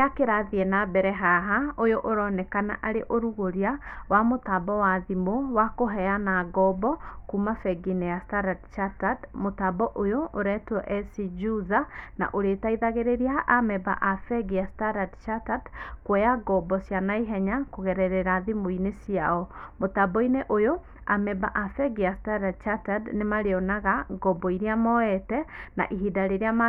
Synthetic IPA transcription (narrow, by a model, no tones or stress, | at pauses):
akeɾaðiɛnabɛɾɛɦaɦaojoʔoɾɔnɛkana̰ʔaɾeʔoɾuɣoɾiawamotabɔwaðimowakoɦɛanaɡɔbɔkumafɛɡinejastadadt͡ʃatadmotabɔʔojooɾɛtwɔʔɛsid͡ʒuðana̰ʔoɾetaiðaɣeɾeɾiaʔamɛba̰ʔafɛɡijastaɾadt͡ʃatadkwɛjaɡɔbɔsjanaiɦɛɲakoɣɛɾɛɾɛɾaðimoinesiaɔmotabɔineʔojo | a̰mɛbaʔafɛɡijastaɾadt͡ʃatadnemaɾeɔnaɣaɡɔbɔiɾiamɔɛtɛna̰ʔiɦidaɾeɾeama